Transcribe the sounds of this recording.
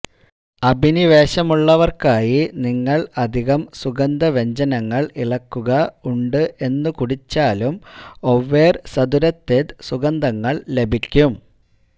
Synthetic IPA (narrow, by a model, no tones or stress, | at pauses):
ɐbʱiniʋe̞ːɕɐmuɭːɐʋɐrkaːjiniŋːɐɭɐd̪ʱiɣɐmsuɣɐnd̪ʱɐʋe̞ɲd͡ʑɐnɐŋːɐɭiɭɐkːuɣɐuɳɖɨʔe̞nːɨkuɽit͡ɕːaːlumo̞ʋːeːrsɐd̪uɾɐt̪ːed̪suɣɐnd̪ʱɐŋːɐɭle̞bʱikʲːum